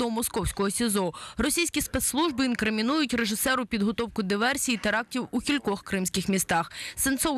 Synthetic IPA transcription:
ɔmɔskɔwsʲkɔɦɔsʲizɔrɔsʲijsʲkʲispet̪slˠuʒbɪinkɾɪmʲinujʊtʲreʒɪsɛɾʊpʲid̪ɦɔt̪ɔwkʊd̪ɪʋɛrsʲijit̪eɾɑk̚tʲiwukʲilʲkɔxkɾɪmsʲkʲɪxmʲist̪ɑxsɪnt̪sɔw

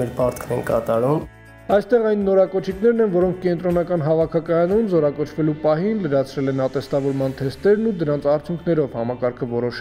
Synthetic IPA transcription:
ɛɾpɑɾt̪ʰkʰnɛnkɑ̰t̪ɑɾum | ɑjst̪ɛʁɑjnːɔɾɑkɔt͡ʃʰikn̪ɛɾnɛnvɔɾɔŋkʰkɛnt̪ɾɔnɑkɑnɦɑvɑkʰɑkɑjɑnunzɔɾɑkɔt͡ʃʰvɛlupɑɦinləɾɑt͡sʰɾɛlɛnɑt̪ɛst̪ɑvɔɾmɑnt̪ʰɛst̪ɛɾnud̪əɾɑnt͡sʰɑɾt͡sʰjuŋkʰnɛɾɔvhɑmɑkɑɾkʰəvɔɾɔʃ

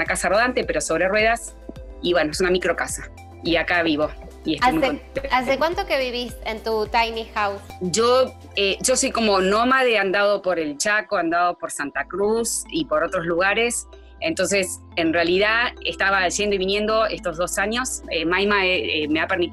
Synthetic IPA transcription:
nakasaro̞ð̞ant̪e̞pe̞ɾo̞so̞β̞ɾe̞rwe̞ðas | iβwe̞noesunamikɾo̞kasa | iakaβiβo̞ | iest̪amuaekwant̪okeβiβist̪ent̪ut̪ajnixawsʒo | eʒo̞so̞jko̞mo̞nomaðeand̪aðo̞po̞ɾelt͡ʃakoand̪aðo̞po̞ɾsant̪akɾusipo̞ɾo̞t̪ɾo̞zluɣaɾe̞s | ent̪o̞nse̞s | enrealiðaest̪aβaʒend̪oiβinjẽ̞nd̪o̞est̪o̞zð̞o̞saɲo̞semajmaeeme̞apeɾmi

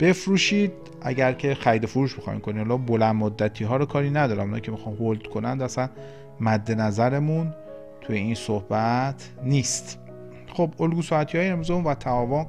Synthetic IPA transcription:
b̥e̞fɾuːʃiːd̪ | ʔæ̰ɟæɾcʲʰe̞xæɾid̪o̞foɾuːʃbixɒ̰ḭmkʰonihælɒːbolænmod̪ːæt̪ʰiːɦɒːɾɔkʰɒːɾiːnæd̪ɒːɾæmunɒ̰cʰe̞mixɒːnhold̪̥kʰonænd̪æsæn | mæd̪ːe̞næzæɾemun | t̪ʰujeinsohbæt̪ʰniːst̪ | xobolɡuːsɒæt̪ʰiɒːjeemizemunvæt̪ʰæɒvon

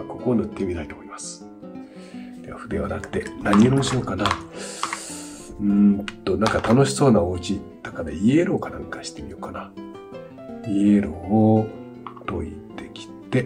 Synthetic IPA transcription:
ko̞konɯ̟t̪ːe̞mʲit̪ait̪o̞ːmoimasɨ̥ | d̪eβaɸɯ̟d̪e̞βanakɯ̟̥t̪e̞naɲ̟ioɾomoɕiokana | ɯ̃t̪o̞nãŋkat̪ano̞ɕi̥so̞ːnaot͡ɕi | d̪̥akaɾaieɾokanãŋkḁɕi̥t̪e̞mʲḭjo̞kana | ieɾoː | t̪o̞̰it̪ːe̞kʲi̥t̪e̞

